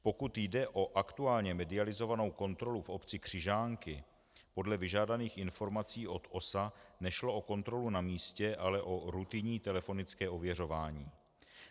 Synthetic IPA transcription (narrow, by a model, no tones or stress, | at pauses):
po̞kut̪jdɛʔo̞ʔakt̪uaːlɲɛmɛdɪalɪzo̞vano̞wko̞nt̪ɾo̞lufo̞pt͡sɪkr̝̥ɪʒaːŋkɪ | po̞dlɛvɪʒaːdaniːxɪnfo̞ɾmat͡siːʔo̞t̪o̞sanɛʃlo̞ʔo̞ko̞nt̪ɾo̞lunamiːscɛʔalɛʔo̞ɾut̪ɪɲiːt̪ɛlɛfo̞nɪt͡skɛːʔo̞vjɛro̞vaːɲiː